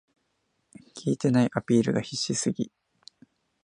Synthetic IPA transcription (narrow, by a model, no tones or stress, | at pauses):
kʲʰiːt̪e̞naiʔapʲiːɾɯ̟ɡaçiɕːisɨɡʲi